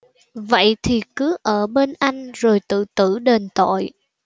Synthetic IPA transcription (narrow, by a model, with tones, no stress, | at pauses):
və̰˧˨jt̪ʰi˨˩kɨ˨˦ʔəː˧˩ɓe˧nʔa˧jŋ̟zo˨˩jt̪ɨ̰˧˨t̪ɨ˧˩ɗe˨˩nt̪o̰˧˨j